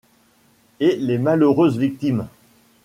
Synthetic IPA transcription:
elemaløʁøzvik̚t̪im

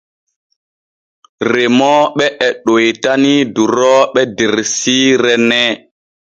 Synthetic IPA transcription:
ɾemɔɓɛʔɛɗojtaniduɾɔɓɛdeɾsiɾɛnɛ

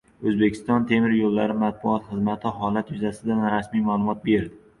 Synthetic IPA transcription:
ɵzbekʲʰɪ̥st̪ɒnt̪ʰe̞mɪɾjolːaɾɪmat̪̚bʊɒt̪χɨzmat̪ʰɪɦɒlat̪jʊzasɪd̪anɾasmijmalˠʊmɒt̪̚be̞ɾd̪ɪ

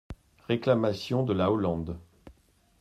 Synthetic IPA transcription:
ʁeklamasjɔ̃d̪əlaolɑ̃d̪

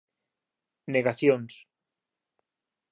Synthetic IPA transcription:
neɣaθjons

